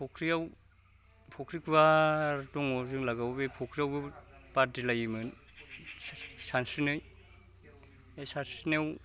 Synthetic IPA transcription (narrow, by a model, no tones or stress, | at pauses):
pʰɔkʰɾijaw | pʰɔkʰɾikʰuaɾtɔŋɔzɯŋlaɡawbepʰɔkʰɾijawɡɯb̥adilajimɯn | sansɯnɯj | esansinew